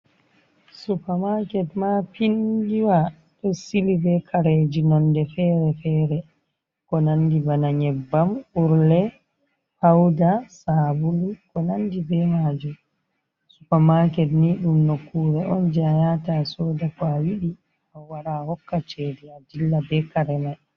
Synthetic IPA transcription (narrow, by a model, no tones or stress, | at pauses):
supamakɛtmapiŋɡiwa | ɗɔsilibɛkʰaɾed͡ʒinɔndɛfɛːɾɛfɛːɾɛ | kɔnandibanaɲɛbːamuɾlɛ | hawdasabulikɔnandibɛmad͡ʒum | supamakɛtniːɗumnokːuɾɛʔɔnd͡ʒajatasɔːdakawiɗi | awaɾahɔkːat͡ʃediad͡ʒilːabɛkaɾɛmaj